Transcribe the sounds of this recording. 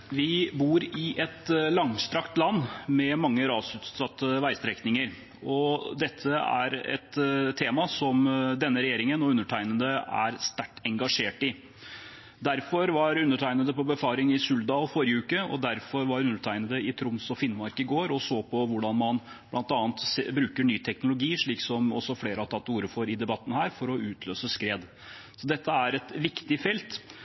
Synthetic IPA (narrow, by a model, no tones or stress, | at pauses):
ʋɪbuːɾɪʔɛt̪lɑŋst̪ɾɑkt̪lɑnːmɛmɑŋːəɾɑːsʉːt̪ɑt̪ːəʋæɪst̪ɾɛknɪŋəɾ | ɔd̪ɛt̪ʰːəæ̰ɾɛ̰t̪ʰːeːmɑsɔmd̪ɛnːəɾɛjeːɾɪŋənɔʉnːəʈʰæɪnənd̪əæ̰ɾst̪æʈːɛŋɡɑʂeːʈɪ | d̪æɾfɔɾʋɑɾʉnːəʈʰæɪnəd̪əpɔbəfɑːɾɪŋɪsʉld̪ɑːlfɔɾɪəʉːkəɔ̰d̪æɾfɔɾʋɑɾʉnːəʈʰæɪnəd̪əɪt̪ʰɾʊmsɔfɪnːmɑɾkɪɡoːɾɔsoːpʰɔʋʊɖɑnmɑn | b̥lʔɑnt̪ɑːnt̪sbɾʉːkəɳyːt̪ʰɛknʊlʊɡiːʂɭiːksɔmɔ̰sːɔfleːɾəɑt̪ʰɑt̪ːuːɾəfɔɾɪd̪ɛbɑt̪ːn̩hæːɾfɔɾɔʉːt̪ʰløːsəskɾeːd̪ | sɔd̪ɛt̪ːəæɾɛt̪ʋɪkt̪ɪfɛlt̪